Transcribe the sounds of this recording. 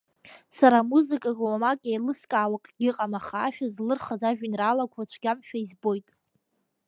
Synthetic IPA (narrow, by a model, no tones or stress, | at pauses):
saɾamuzɨkʼaɡawamakʼajlɨskʼaːwakʼɡ̥ʲɪqʼamaχaːʃᶣazlɨrχad͡zaʒᶣɪnraːlakʷʰat͡ɕt͡ʃʷʰɡʲamʃᶣaizbo̞jtʼ